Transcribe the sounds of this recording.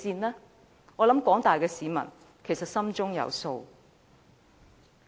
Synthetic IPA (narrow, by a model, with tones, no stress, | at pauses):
siː˧nlɛː˥ | ŋɔː˨˧lɐ˨˥mkwɔː˨˥ŋt̪aː˨jkɛː˧siː˨˧mɐ̰˨˩n | kʰe˨˩sɐ˨t̚sɐ˥mt͡sʊ˥ŋjɐ̰˨˧wso˧w